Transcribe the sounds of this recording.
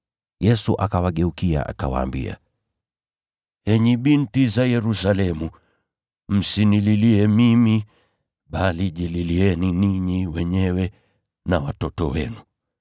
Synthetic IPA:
jɛsuʔakawaɠɛukia̰ʔa̰ka̰wa̰ːmbḭa̰ | hɛɲiɓintizajɛɾusalɛmu | m̩sinililiɛmimi | ɓaliʄililiɛniniɲiwɛɲɛwɛ | nawatɔtɔ̰wɛ̰nu

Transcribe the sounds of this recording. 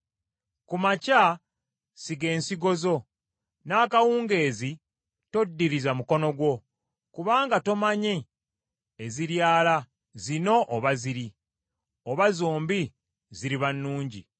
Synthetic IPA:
kumaca | siɡe̞ːnsiɡo̞zo̞ | naːkawuːŋɡe̞ːzi | to̞dːiɾizamuko̞no̞ɡwo̞ | kuβaːŋɡato̞maɲe | eziɾjaːla | zino̞ʔoβaziɾi | oβazoːmbi | ziɾiβanːuːɲɟḭ

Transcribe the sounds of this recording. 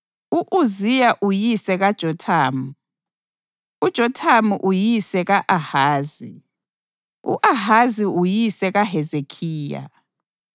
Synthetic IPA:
uʔuzijaʔujisɛɣad̥ʒ̥ʱɔtʰaːmu | ud̥ʒ̥ʱɔtʰamuʔujisɛɣaʔahaːzi | ṵʔaɦaziujisɛɣaɦɛzekʰiːja̰

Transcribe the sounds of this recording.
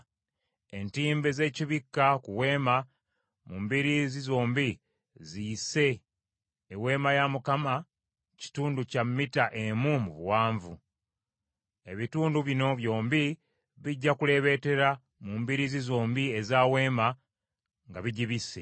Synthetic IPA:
entiːmbe̞ze̞ːciβikːakuwe̞ːma | muːmbiɾizizo̞ːmbi | ziːse̞ː | we̞ːmajamukama | ci̥tuːnducamːitaʔe̞mumuβuwaːɱvu | e̞βituːnduβino̞βjo̞ːmbi | βiɟːakule̞βe̞te̞ɾa | mumbiɾizizo̞ːmbiezaːwe̞ːma | ŋɡaβiɟiβise

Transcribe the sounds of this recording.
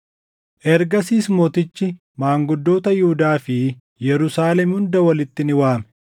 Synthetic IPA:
ʔɛɾɡɐsiːsmoːt̪ɪt͡ʃːɪ | maːŋɡʊd̪ːo̞ːt̪ɐjɪhʊd̪aːfɪ | jɛɾʊsaːlɛmhʊnd̪ɐwɐlɪt̪ːɪnɪwaːmɛ̥

